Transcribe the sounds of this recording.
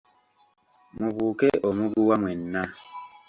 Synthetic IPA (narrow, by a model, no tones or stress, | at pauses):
muβuːkeʔomuɡuwamwenːa